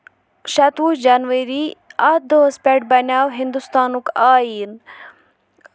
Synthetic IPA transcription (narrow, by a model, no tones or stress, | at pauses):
ʃɐt̪uːʃd͡ʒanʋeɾiat̪̚d̪oɦspʲeʈ̚bɐnʲaːwɦind̪ust̪aːnukaːiːn